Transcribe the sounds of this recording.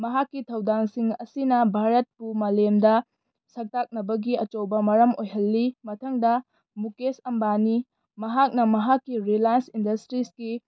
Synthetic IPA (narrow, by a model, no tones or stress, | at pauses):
mɐɦakːitʰɐwdaŋsiŋɐsinɐbʱaɾɐt̚pumɐlemdɐ | sɐk̚tak̚nɐbɐɡiɐt͡ʃowbɐmɐɾɐmojɦɐlːimɐtʰɐŋdɐ | mukesɐmbani | mɐɦak̚nɐmɐɦakːiɾilajnsindɐstɾiski